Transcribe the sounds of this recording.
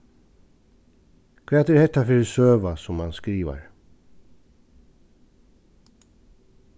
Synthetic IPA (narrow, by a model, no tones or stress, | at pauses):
kʰveːt̪æɾhɛt̪ːafʏɾsøːʋasɔmhanskɾiːʋa̰ɾ